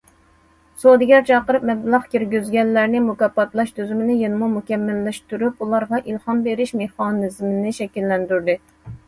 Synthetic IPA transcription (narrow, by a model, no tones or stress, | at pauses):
sod̪ɪɡʲɛɾt͡ʃʰɑqəɾɨpmɛblˠɑʁkʲiɾɡʲyzɡʲɛnːæɾnɪmukɑpːɑt̪lˠɑʃt̪ʰyzymɪnɪjenɨmumukʲɛmːɪlːɪʃt̪yɾupulˠɑɾʁɑʔilˠhɑnbeɾɪʃmehχɑnɨzmɪnɪʃɛkʲilːɛnd̪yɾd̪ɨ